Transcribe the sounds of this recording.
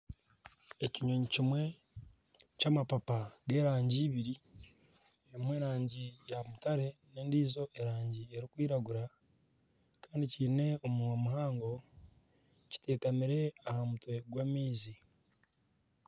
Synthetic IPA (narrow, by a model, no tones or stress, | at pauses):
e̞ciɲo̞ɲicimwe̞ | camapapaɡe̞ːɾaːɲɟiβiɾi | eimweːɾaːɲɟijamutaɾe̞ne̞ːndiːzo̞ʔeɾaːɲɟie̞ɾikwiːɾaɡuɾa | kaːndiciːne̞omuamuɦaːŋɡo̞ | ci̥te̞ːkamiɾe̞ahamutwe̞ɡwamiːzi